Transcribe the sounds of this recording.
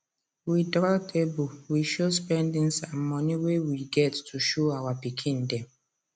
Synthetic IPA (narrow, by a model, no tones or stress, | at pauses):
widɾatʰebuwiʃospɛndɪ̃nsamːɔniwewiɡɛtːuʃoawapikʰɪ̃n̩dɛm